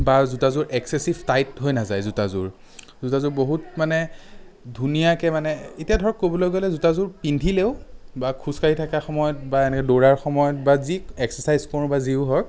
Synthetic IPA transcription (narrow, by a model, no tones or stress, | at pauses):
bazutazʊɹʔɛksesibʱtajtɦojnazajzutazʊ̰ɹ | zutazʊɹboɦutmanɛdʱunijakɛmanɛetijadʱɔɹɔkːobɔlojɡolɛzutazʊɹpindʱileʊbakʰuskaɹitʰakaxɔmɔjɔt̚baɛnɛkɛdoɹaɹxɔmɔjɔt̚baziɛksəsajzkɔɹbaziʊɦɔk